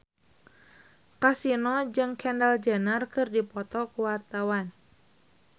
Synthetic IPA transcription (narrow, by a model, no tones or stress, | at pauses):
kasinɔd͡ʒɨŋkɛndald͡ʒanarkɨrdipɔt̪ɔkuwart̪awan